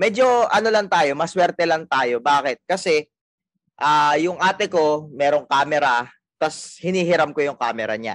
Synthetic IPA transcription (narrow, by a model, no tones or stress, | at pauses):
mɛːd͡ʒo̞ʔɐnolaŋt̪aːjo̞mɐswɛɾt̪ɛlaŋt̪aːjo̞baːkɪt̪̚kɐsɛ | ʔaːjʊŋʔaːt̪ɛko̞mɛːɾo̞ŋkaːmɛɾɐ | t̪ɐshɪniːɦɪɾamkojʊŋka̰ːmɛɾɐ̰ɲa̰